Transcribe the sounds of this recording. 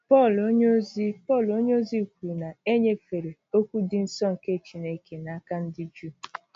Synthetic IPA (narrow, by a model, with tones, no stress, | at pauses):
pɔ˦˨lo˦ɲo˦zi˦pɔ˦˨lo˦ɲ˦o˦zi˦˨kʷi˨na˨e˦ɲe˦fe˨ɾe˨o˦kʷu˦dɪ˦n̩˦sɔ˦ŋ̩˨ke˦˨t͡ʃi˦ne˦ke˨na˦ka˦n̩˦dɪ˦d͡ʒu˦˨